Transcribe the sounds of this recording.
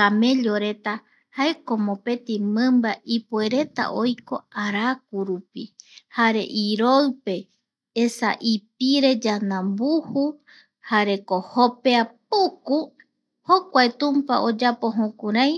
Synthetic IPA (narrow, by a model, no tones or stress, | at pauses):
amẽ̞ʎoɾe̞t̪a | haeko̞mõpe̞t̪imɨ̃mbaʔipue̞ɾe̞t̪a̰ʔo̞jko̞aɾak̚uɾupihaɾe̞̰ʔiɾoɰpe̞ | esa̰ʔip̚iɾe̞d͡ʒanãmbuhu | haɾe̞ko̞hopeap̚uku | hokʷaet̪ũmpa̰ʔod͡ʒapo̞ɦõkũɾaj